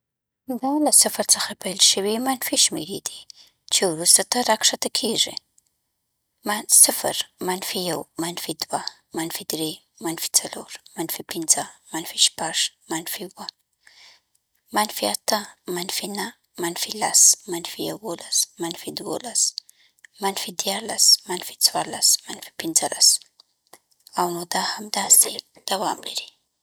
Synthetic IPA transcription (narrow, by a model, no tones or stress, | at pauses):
d̪ɑlasafaɾt͡səxapajlʃəwimanfiʃmḛɾid̪i̥ | t͡ʃewɾust̪at̪aɾakʂat̪akʰeʐḭ | masɪfə̰ɾmanfijawmanfid̪wa | manfid̪ɾe | manfi̥t͡salo̰ɾmanfipɪnzəmanfiʃpaʐmanfiwə | manifiat̪amanifina | manifilasmanifiḛwolasmanifid̪uo̰las | manifid̪ialasmanifi̥t͡swalasmanifi̥pind͡zalʔas | awnod̪ahamid̪ased̪̥awamliɾe